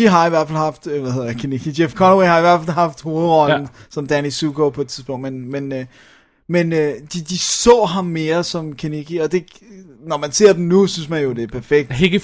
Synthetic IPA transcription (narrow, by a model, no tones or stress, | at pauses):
iɦɑ̈iʋæɐfælhɑ̈fd̥ʋæhe̝ð̰ˠɐd̥kʰeneɡid̥jefkʰɒnəwehɑ̈iʋæɐfælɦɑ̈fd̥ho̝ːʁɒnn̩sɒ̽md̥ænisuɡ̥opʰɒ̽e̥t͡sʰið̥ˠsb̥ɔ̽ŋ̰d̥menmen | mend̥id̥isɔ̰ːɦɑ̈mːe̝ːɐsɒ̽mkʰeneɡ̥iɒ̽d̥e̝ | nɒmænse̝ɐ̰d̥n̩nusynsmænjo̝d̥e̝ɐpʰæɐfeɡ̥̚d̥eɡ